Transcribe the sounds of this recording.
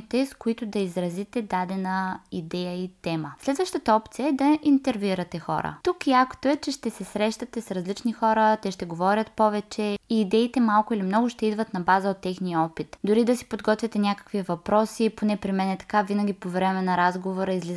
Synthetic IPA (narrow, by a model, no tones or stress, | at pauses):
t̪ɛskʊit̪ʊd̪ɐizɾɐzit̪ɛd̪ad̪ɛnəid̪ɛjəit̪ɛməslɛd̪vəʃt̪ət̪əɔpt̪sijəɛd̪ɐʔint̪ɛɾviɾɐt̪ɛxɔ̰ɾə̰t̪ukjakt̪oɛt͡ʃɛʃt̪ɛsɛsɾɛʃt̪ɐt̪ɛsɾɐzlit͡ʃnixɔɾət̪ɛʃt̪ɛɡovɔɾʲət̪pɔvɛt͡ʃɛiːd̪ɛit̪ɛmalˠkʊilimnɔɡʊʃt̪ɛid̪vət̪nɐbazəot̪ːɛxnijəɔpit̪d̪ʊɾid̪ɐsi̥pod̪ɡɔt̪vʲit̪ɛnʲakə̥kvivɐpɾɔsiponɛpɾimɛnɛt̪ɐ̥kavinɐɡ̟ʲipovɾɛmɛnɐɾazɡovoɾɐizliz